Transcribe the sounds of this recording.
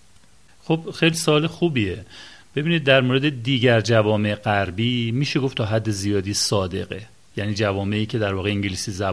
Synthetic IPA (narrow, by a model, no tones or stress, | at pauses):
xob̥xejlisoɒːlexubiːeb̥e̞biːnid̪̚ːæɾmoɾe̞d̪e̞d̪iːɟæɾd͡ʒævɒːme̞eɢæɾbiːmiːʃe̞ɡoft̪ʰɒːɦæd̪ːe̞zijɒːd̪iːsɒːd̪e̞̰ɣe | jæniːd͡ʒævɒːme̞iːcʰe̞d̪æɾvɒːɣeiːŋɟeliːsiːzæ